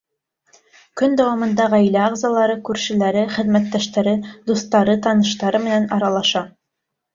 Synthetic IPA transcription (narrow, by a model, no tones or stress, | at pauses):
kɵnd̪æwɑmɤ̆nd̪ɑʁæjlæɑʁzɑlˠɑɾɤkʉɾʃɘ̆læɾɘχɘ̆ðmæt̪ːæʃt̪æɾɘd̪ust̪ɑɾɤt̪ɑnɤ̆ʃt̪ɑɾɤmɘ̆nænɑɾɑlˠɑʃɑ